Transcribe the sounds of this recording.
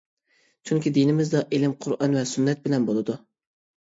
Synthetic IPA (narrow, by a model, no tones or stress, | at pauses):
t͡ʃʰyŋkʲid̪inɪmɪzd̪ɒʔelɪmqʰʊɾʔɑnvɛsʊnːɛt̪̚bɪlɛnbolˠɨd̪ʊ